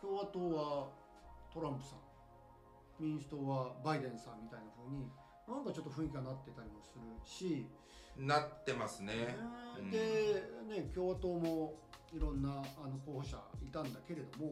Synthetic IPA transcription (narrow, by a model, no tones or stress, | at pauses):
kʲo̞ːβat̪o̞ːβa | t̪o̞ɾãmpɯ̟̥sã̰ŋ | mʲĩɰ̃sɨ̥t̪o̞ːβabaid̪ẽ̞ɰ̃sãmːʲit̪ainaɸɯːɲ̟i | nãŋkat͡ɕo̞t̪ːoɸɯ̟ɰik̬ʲiɡanat̪ːet̪aɾʲimo̞sɨɾɯ̟ɕi | nat̪ːe̞masɨned̪e̞ne̞kʲo̞ːβat̪o̞ːmo̞iɾõ̞nːaːno̞ko̞ːhoɕa̰it̪ãnd̪ake̞ɾe̞d̪o̞mo̞